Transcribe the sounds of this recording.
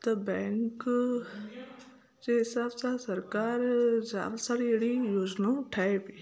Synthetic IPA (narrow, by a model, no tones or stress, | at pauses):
t̪ɐbɛːŋk | d͡ʒeːɦɪsaːbsasəɾkaːɾza̰ːɾasaːɾieɽijoːd͡ʒnãʈʰaːepiː